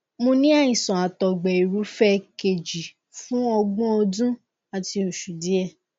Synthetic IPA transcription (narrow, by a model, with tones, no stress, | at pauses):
mõ˧nĩ˦a˦˨ĩ˨sɔ̃˨a˨tɔ˨ɡ͡bɛ˨i˨ɾu˨˦fɛ˦ke˨d͡ʒi˨ | fũ˨˦ɔ˧ɡ͡bɔ̃˦o˧dũ˦ | a˨ti˧o˨ʃu˨di˨˦ɛ˦˨